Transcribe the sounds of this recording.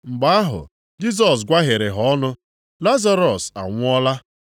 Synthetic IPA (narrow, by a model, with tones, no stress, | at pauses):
ŋ͡m̩˨ɡ͡ba˦a˦ɦʊ̰˨ | d͡ʒi˦s̬ɔ˨sɡʷa˦ɦe˨ɾe˨ɦɔ˨˦nʊ˦ | la˦za˦ɾɔ˨sa̰˨ŋʷʊ˦ɔ˦la˦